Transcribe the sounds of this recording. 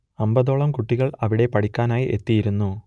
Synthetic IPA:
ɐmbɐðo̞ːɭɐmkuʈːiɣɐɭɐʋiɽe̞pɐɽikʲːaːnaːjiʔe̞t̪ːijiɾunːu

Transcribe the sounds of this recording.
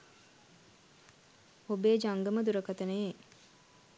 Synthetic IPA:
obeːd͡ʒaŋɡəməd̪uɾəkat̪ənəje

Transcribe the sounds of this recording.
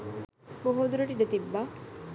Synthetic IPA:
boɦod̪uɾɐʈiɖɐt̪ibːa

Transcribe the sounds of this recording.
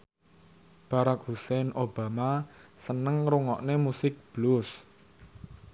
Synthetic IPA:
b̥a̤ɾak̚husɛnob̥amasənəŋɾuŋɔ̰ʔnemusɪk̚b̥lus

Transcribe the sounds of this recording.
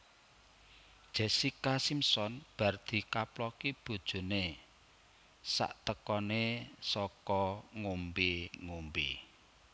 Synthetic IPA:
d̥ʒ̥ɛ̤sikasimsɔnb̥ä̤rd̪̥i̤kaplɔkib̥o̤d̥ʒ̥o̤ne | sa̰ʔt̪əkɔnesɔkɔŋombeŋombḭ

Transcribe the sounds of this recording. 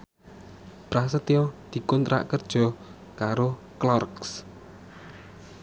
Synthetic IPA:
pɾasət̪iɔd̪̥i̤kɔnt̪ɾa̰ʔkərd̥ʒ̥ɔ̤ | kaɾo | klɔrks

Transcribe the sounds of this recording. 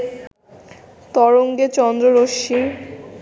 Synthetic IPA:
t̪ɔɾoŋɡet͡ɕɔnd̪ɾoɾoʃi

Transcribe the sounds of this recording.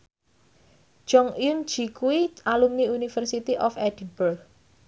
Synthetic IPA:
ʒ̥ɔŋun̥d͡ʒi̤kuwiʔalumniunifərsit̪iʔɔfɛd̥inburk

